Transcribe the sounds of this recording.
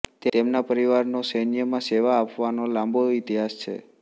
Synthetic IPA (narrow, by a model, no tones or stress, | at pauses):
t̪eemnapəɾiʋaɾnosənijəmãseʋaːpʋanolãmbʱoit̪iɦast͡ʃʰḛ